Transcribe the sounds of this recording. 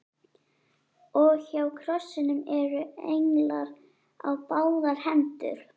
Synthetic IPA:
ɔɣçawkʰɾɔsːɪnʏmɛɾʏḛjŋlaɾ | a̰wpaːwðaɾ̥hɛnt̪ʏ̰ɾ̥

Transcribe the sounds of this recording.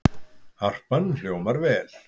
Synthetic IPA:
har̥pœnːl̥joːwmaɾvɛːl̥

